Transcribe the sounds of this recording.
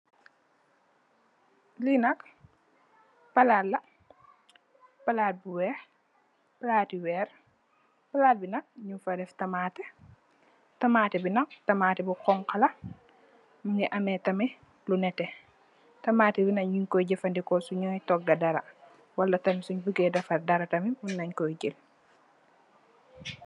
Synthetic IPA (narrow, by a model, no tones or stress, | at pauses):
linɐk | pɐlaːlːɐ | pɐlaːt̚biwɛːx | pɐlaːtiwɛːɾ | pɐlaːlbinɐk̚ɲufɐdɛftɐmaːtɛ | tɐmaːtɛbinɐk̚tɐmaːtɛbiqɔŋkɐlɐ | muŋɡiʔɐmɛtɐmi | lunɛtɛ | tɐmaːtɛbinɐɲuɲkɔjɟɛfɐndikɔsuɲɔjtɔk̚ɡɐdɐɾɐ | wɐlːɐtɐmisuɲbəɡɛdɐfɐdɐɾɐtɐmimunːɐɲkɔjɟil